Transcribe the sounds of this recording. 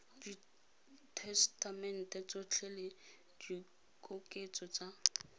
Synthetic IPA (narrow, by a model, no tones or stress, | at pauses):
di | tʰɛstʰamɛn̩tʼɛt͡sʼot͡ɬʰɛle | di | kʼʊkʼet͡sʼɔt͡sa